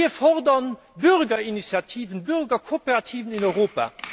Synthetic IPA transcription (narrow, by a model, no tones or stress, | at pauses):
iɐfɔʁdɐn | byʁɡɐinisjatʰiːvənbyʁɡɐkʰopeʁɑtʰiːvəninɔʏʁoːpa̰ː